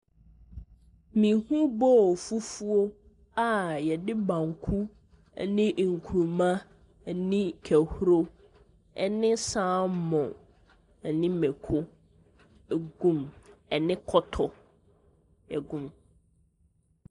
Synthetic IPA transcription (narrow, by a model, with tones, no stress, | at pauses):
mĩ˨hũ˦bɔ˦˨fu˦fu˦o˦ | a˨jɛ˨dɪ˦bã˨ŋkʰu˦˨ | nɪ̃˦ʔŋ̩˨kʰu˨ɾmã˦˨ | nɪ̃˦kʰæ˨hu˦ɾo˦ | ɛ̰˨nɪ̃˦sã˦mɔ̃˨ | ɛ˨nɪ̃˦mɛ̃˨kʰʊ˦˨ | ɡũ˦˨mɛ˨nɪ̃˦kʰɔ˦tʰɔ˨ | ɛ˨ɡũ˦m